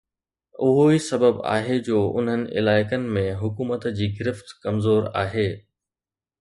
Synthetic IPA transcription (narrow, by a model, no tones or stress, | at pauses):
ʊɦoisɐbəba̰ːɦed͡ʑoːʔʊ̰n̤ɦənɪ̆ʔɪ̰laːɪkənɪ̆mẽɦʊkuːmət̪d͡ʑiːɡɪɾɪft̪kɐmzoːɾa̰ːɦeː